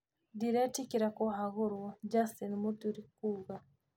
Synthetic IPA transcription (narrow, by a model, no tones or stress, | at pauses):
diɾatikiɾakɔɦaɣʊɾwad͡ʒasinmut̪uɾikuɣa